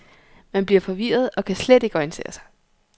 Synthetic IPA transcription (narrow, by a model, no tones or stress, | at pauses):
mænb̥liɐ̰fɒ̽ʋḭːɐð̞̩ˠɒ̽kʰæsled̥e̝ɡ̥ɒinisʰe̝̰ːɐsɑ̈ɪ